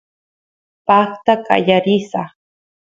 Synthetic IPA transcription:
paχt̪aka̰jaɾɪsa

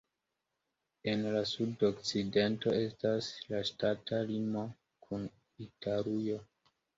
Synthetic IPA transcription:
e̞nlasudokt͡side̞nto̞e̞staslaʃtatalimo | kʰun | itaɾujo̞

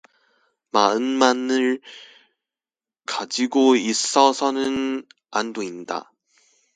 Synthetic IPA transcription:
maɯnmanɯɭ | kad͡ʑiɡois͈ʌsʰʌnɯn | andoinda̰

